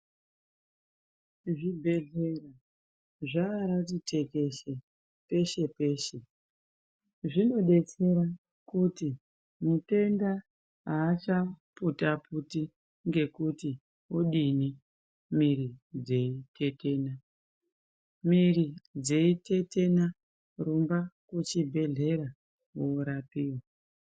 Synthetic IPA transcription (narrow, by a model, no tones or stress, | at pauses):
ʐibʱeɮe̞ra | ʐaːɾat͡ʃite̞ke̞ʃe̞ | pe̞ʃe̞pe̞ːʃe̞ | ʐino̞ɗe̞t͡se̞ɾa | kuti | mute̞nda | ɦaːt͡ʃaputapʰuti | ŋɡe̞kuti | woɗini | miɾid͡ze̞itʰe̞te̞ːna | mirid͡zeite̞te̞na | rumbakut͡ʃibʱe̞ɮe̞ɾa | woɾapiːwa